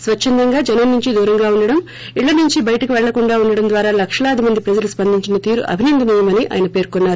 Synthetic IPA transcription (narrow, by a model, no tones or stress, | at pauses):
sʋɐt͡ʃːɐnd̪ɐŋɡaːd͡ʒɛnɐnnuɲt͡ʃid̪uːɾɐŋɡaːuɳɖɐɽɐm | iɭːɐnuɲt͡ʃibɐjɐʈɐkuʋɛɭːɐkuɳɖaːuɳɖɐɽɐmnd̪ʋaːɾaːlɐkʂɐlɐːd̪imɐnd̪ipɾɐd͡ʒɐluspɐnd̪ʱiɲt͡ʃinɐt̪iːɾṵʔɐ̰bʱinɐnd̪inijɐmɐniʔa̰ːjɐnɐpe̞ːɾkɔnːaːɾu